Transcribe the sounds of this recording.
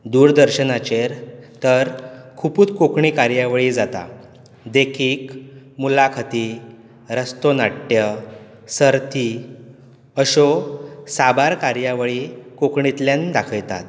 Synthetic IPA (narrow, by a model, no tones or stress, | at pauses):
d̪uːɾd̪əɾɕənat͡ɕeɾt̪əɾkʰupuːt̪kokɳikaɾjaʋɭiːd͡zat̪a̰ | d̪ekʰiːkmulakʰət̪i | ɾəst̪onaʈːjə | səɾt̪i | əɕosabaɾkaɾjaʋɭikokɳit̪ljãnd̪akʰəjt̪a̰t̪